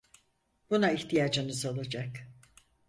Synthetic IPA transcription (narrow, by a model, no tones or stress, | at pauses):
bunaiçt̪ʰijaːd͡ʒɯnɯzalˠad͡ʒak